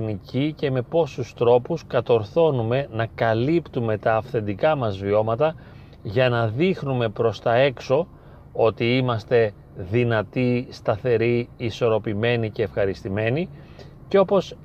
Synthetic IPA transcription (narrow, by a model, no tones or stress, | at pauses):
nicice̞me̞po̞sust̪ɾo̞puskɐt̪o̞ɾθo̞nume̞nɐkɐlipt̪ume̞t̪ɐːfθe̞nd̪ikɐmɐzvio̞mɐt̪ɐ | ʝɐnɐðixnume̞pɾo̞st̪ɐe̞kso̞ | o̞t̪iimɐst̪e̞ | ðinɐt̪ist̪ɐθe̞ɾiːso̞ɾo̞pime̞nice̞ːfxɐɾist̪ime̞ni | ceo̞po̞s